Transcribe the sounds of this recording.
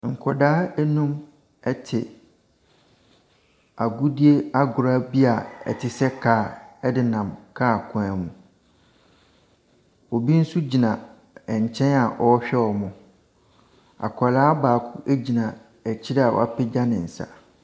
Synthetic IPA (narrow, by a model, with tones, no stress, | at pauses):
ŋ̩˨kʰɔ˨daː˦ɛ˦nũ˦m | ɛ˦tʰɪ˨ | a˨ɡʊ˦di˦e˦a˦ɡʊ˨ɾa˦bi˦a˨ɛ̰˨tʰɪ˨sɛ˦kʰaː˨ɛ˦dɪ˦nã˨mkʰa˦˨kʰʊ̃˨˦ɛ˨mũ˨ | wɔ˨bi˦n̩˦su˦d͡ʑi˨nã˨ | ɛ˨ɲ˨t͡ɕʰɛ̃˦na˨ʔɔ˦ɕᶣɛ˦ɔ˨mʊ̃˨ | a̰˨kʷʰɔ˨laː˦baː˨kʰʊ˦ʔæ˦d͡ʑi˨nã˨ | ɛ˨t͡ɕʰɪ˦ɾa˨wɔ̰˨a˦pʰɪ˦d͡ʑa˦nɪ̃˨n̩˨sa̰˦